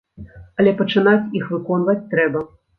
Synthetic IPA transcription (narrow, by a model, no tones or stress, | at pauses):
ɐlʲɛpɐt͡ʂɨnat͡sʲixvɨkɔn̪vɐt͡sʲt̪ɾɛbɐ